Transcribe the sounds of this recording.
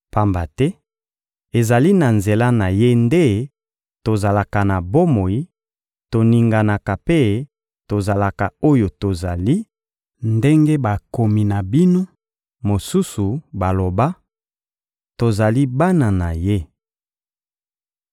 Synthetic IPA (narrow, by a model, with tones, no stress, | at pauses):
pa˦mba˨tɛ˦ | e˨za˨li˦na˨nze˨la˦na˨je˦nde˦ | to˨za˨la˨ka˨na˨bo˦mo˨i˦ | to˨ni˨ŋɡa˨na˨ka˨pe˦ | to˨za˨la˨ka˨o˦jo˨to˨za˨li˦ | nde˦ŋɡe˦ba˨ko˨mi˨na˨bi˦no˦ | mo˨su˦su˨ba˨lo˨ba˦ | to˨za˨li˦ba˦na˨na˨je˦